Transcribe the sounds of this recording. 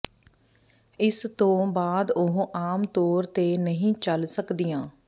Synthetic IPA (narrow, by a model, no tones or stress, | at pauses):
ɪst̪õːbaːd̪ʊɦõːʔaːmt̪oːɾt̪eːnəɦĩːt͡ʃəlsəkd̪iːjãː